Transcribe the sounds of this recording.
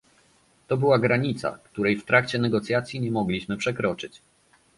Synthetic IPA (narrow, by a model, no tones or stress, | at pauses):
t̪ɔbɘwaɡɾaɲit̪sa̰kt̪uɾɛjft̪ɾakt͡ɕɛnɛɡɔt̪sʲjat̪sʲjiɲɛmɔɡlʲiɕmɘpʂɛkɾɔt͡ʂɘt͡ɕ